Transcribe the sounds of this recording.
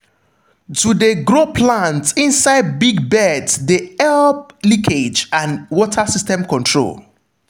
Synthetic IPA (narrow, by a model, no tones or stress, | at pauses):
tudeɡɹopʰlãntĩnsaɪd̚biɡbɛdsdeɛlp̚likʰed͡ʒãnwɔtʰasistɛ̃mkɔ̃ntʰɹo̰l